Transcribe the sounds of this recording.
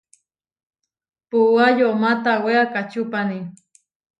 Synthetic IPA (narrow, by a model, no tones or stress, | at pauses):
puajomat̪aweakat͡ʃupani